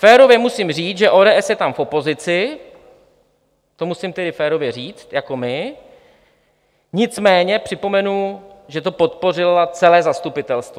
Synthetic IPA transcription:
fɛːɾo̞vjɛmusimriːt͡sʒɛʔoːdɛːʔɛsjɛt̪amfʔo̞po̞zɪt͡sɪ | t̪o̞musɪmt̪ɛdɪfɛːɾo̞vjɛr̝iːt͡s̪jako̞mɪ | ɲɪt͡smɛːɲɛpr̥ɪpo̞mɛnuʒɛt̪o̞po̞t̪̚po̞rɪlat͡sɛlɛːzast̪upɪt̪ɛlst̪vo

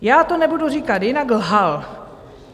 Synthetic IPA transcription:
jaːt̪onɛbuduriːkat̪jɪnaɡlɦal

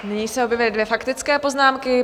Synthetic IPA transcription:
nɪɲiːsɛobjɛvɪlɪdvjɛfakt̪ɪt͡skɛːpo̞znaːmkɪ

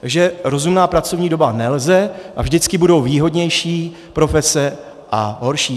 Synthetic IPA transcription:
aɡʒɛɾo̞zumnaːpɾat͡so̞vɲiːdo̞banɛlzɛʔavʒdɪt͡skɪbudo̞wviːɦo̞dɲɛjʃiː | pɾo̞fɛsɛ | ʔaɦo̞ɾʃiː

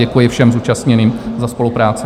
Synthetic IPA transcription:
ɛkujɪfʃɛmzuːt͡ʃast̪ɲɛniːmzaspo̞lupɾaːt͡sɪ

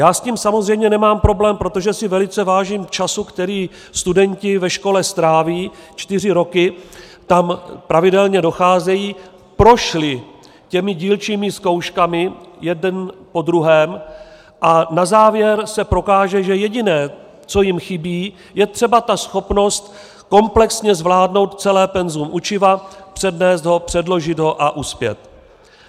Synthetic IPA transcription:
jaːsciːmsamo̞zrɛjmɲɛnɛmaːmpɾo̞blɛːmpɾo̞t̪oʒɛsɪvɛlɪt͡sɛvaːʒiːmt͡ʃasukt̪ɛɾiː | st̪udɛɲcɪvɛʃko̞lɛst̪ɾaːviːt͡ʃt̪ɪr̝ɪɾo̞kɪ | t̪ampɾʔavɪdɛlɲɛdo̞xaːzɛjiː | pɾo̞ʃlɪ | cɛmɪɟiːlt͡ʃiːmɪsko̞wʃkamɪjɛdɛnpo̞d̪ɾuɦɛːm | ʔanazaːvjɛɾsɛpɾo̞kaːʒɛʒɛjɛɟɪnɛː | t͡so̞jɪmxɪbiː | jɛt̪r̥ɛbat̪asxo̞pno̞st̪ | ko̞mplɛksɲɛzvlaːdno̞wt̪t͡sɛlɛːpɛnzumʔut͡ʃɪvapr̥ɛdnɛːsd̪ɦo̞pr̝̥ɛdlo̞ʒɪd̪ɦo̞ʔaʔuspjɛ̰t̪̚

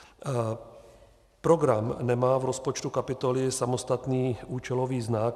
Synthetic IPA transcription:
pɾoɡɾamnɛmaːvɾospot͡ʃt̪ukapɪt̪olɪsamost̪at̪niːuːt͡ʃɛloʋiːznak

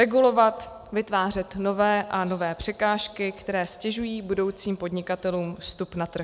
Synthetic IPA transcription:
ɾɛɡulo̞vat̪ | vɪt̪vaːr̝ɛt̪no̞vɛːʔano̞vɛːpr̝̥ɛkaːʃkɪkt̪ɛɾɛːscɛʒujiːbudo̞wt͡siːmpo̞dɲɪkat̪ɛluːmfst̪upnat̪r̩x

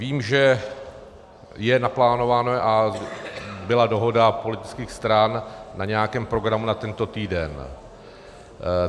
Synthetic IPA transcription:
viːmʒɛ | jɛnaplaːno̞vaːnoʔa | bɪlado̞ɦo̞dapo̞lɪt̪ɪ̥t͡skiːxst̪ɾanːaɲɛjakɛːmpɾo̞ɡɾamunat̪ɛnt̪o̞t̪iːdɛn

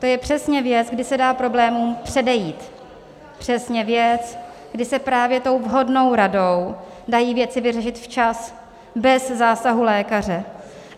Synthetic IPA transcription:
t̪o̞jɛpr̝̥ɛsɲɛvjɛt͡sɡdɪsɛdaːpɾo̞blɛːmuːmpr̝̥ɛdɛjiːt̪ | pr̝̥ɛsɲɛvjɛt͡s | ɡ̥dɪsɛpɾaːvjɛt̪o̞wvɦo̞dno̞wɾado̞w | dajiːvjɛt͡sɪvɪrɛʃɪt̪ft͡ʃas | bɛzzaːsaɦulɛːkar̝ɛ

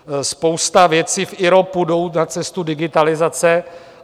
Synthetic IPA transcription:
spowst̪avjɛt͡siːfʔɪɾopudo̞wnat͡sɛst̪udɪɡɪt̪alɪzat͡sɛ

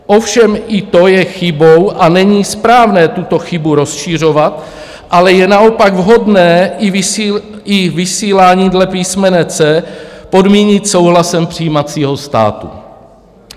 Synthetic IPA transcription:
ʔofʃɛmʔɪt̪o̞jɛxɪbowʔanɛɲiːspɾaːvnɛːt̪ut̪o̞xɪbuɾo̞sʃir̝o̞vat̪ | ʔalɛjɛnao̞paɡvɦo̞dnɛːɪ | ɪvɪsiːlaːɲiːdlɛpiːsmɛnɛːt͡sɛːpo̞dmiːɲɪt̪so̞wɦlasɛmpr̝̥ijiːmat͡siːɦo̞st̪a̰ːt̪ṵ

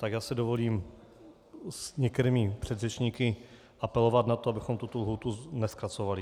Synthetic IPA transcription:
t̪aɡjaːsɛdovo̞liːm | sɲɛk̚t̪ɛɾiːmɪpr̥ɛd̪rɛt͡ʃɲiːkɪ | ʔapɛlo̞vat̪nat̪oabɪxomt̪ut̪olɦuːt̪unɛskɾat͡sovalɪ

